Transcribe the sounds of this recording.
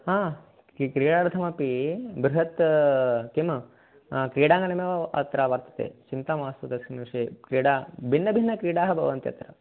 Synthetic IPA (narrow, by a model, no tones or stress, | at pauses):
ɦaː | kɾiːɽaːɾd̪ʰɐmɐpibɾuɦɐt̪ | kemɐ | kɾiːɽaːŋɡɐnɐmeːʋɐɐ̰t̪ɾaːʋɐɾt̪ɐ̥t̪ḛːt͡ʃint̪aːmaːsud̪ɐsinʂeːkɾiːɽaːbʱinːɐbʱinːɐkɾiːɽaːɦɐbʱɐ̰ʋɐnt̪ijɐ̰t̪ɾɐ̰